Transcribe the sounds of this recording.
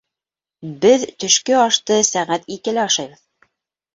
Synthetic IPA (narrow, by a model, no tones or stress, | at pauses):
bɘðt̪ɵ̆ʃkɵɑʃt̪ɤsæʁæt̪ikɘ̆lɘɑʃɑjβɤð